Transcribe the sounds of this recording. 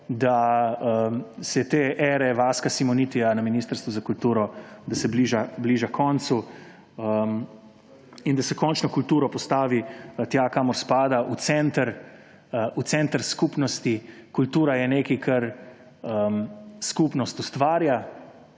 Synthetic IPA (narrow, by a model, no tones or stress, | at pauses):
d̪aəsɛt̪eːʔɛːɾɛʋaskasimɔnit̪ijanaminiːst̪əɾst̪ʋuzakult̪uːɾɔd̪asɛbliːʒabliːʒakʰɔnt̪su | ə | ind̪asɛkɔnt͡ʃnɔkult̪uːɾɔpɔst̪aːʋit̪jakaːmɔɾspaːd̪aʔut̪sɛnt̪əɾ | ut̪sɛnt̪əɾskupnɔst̪ikult̪uːɾajɛneːkikʰɐɾ | əmskupnɔst̪ust̪ʋaːɾja